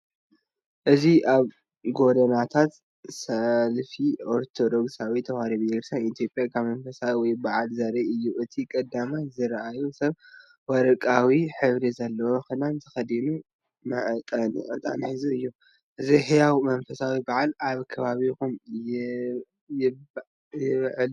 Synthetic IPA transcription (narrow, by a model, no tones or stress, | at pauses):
ʔɨziʔaβ | ɡo̞d̪ɐnat̪ʰat̪ | sɐlfioɾt̪ʰod̪o̞ɡsawit̪ʰɐwhaɾiβjeɡɾsanit̪ʰijo̞pʼjakʰaβmɐnfɐsawiwɔjbaʕalzɐɾɐɨjːuʔɨt̪ʰikʼɐd̪ːamajzɨɾʔajusɐβ | wɐɾɐkʼawiħɨβɾizɐlːɐwoxɨnant̪ʰɨxɐd̪inu | mɨʕt̪ʼan̰ʕɨ̰t̪ʼa̰nħɨzuɨjːu | ʔɨziɦɨjawmɐnfɐsawibaʕalaβkʰɐβaβikum | jɪ | jɪβʕɨl